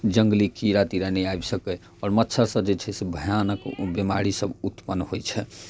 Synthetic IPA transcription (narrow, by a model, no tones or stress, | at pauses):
d͡ʒəŋɡlikiɾat̪iɾanɛajbsəkɛ | ɔːɾmət̪ːsʰəɾsə̃d͡ʒet͡ʃʰɛsebʱəjanəkbemaɾisəbʱut̪pənːhojt͡ʃʰɛ